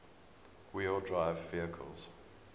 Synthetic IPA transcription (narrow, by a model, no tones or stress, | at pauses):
wiəldɹaɪvːiəkʰə̰lˠz̥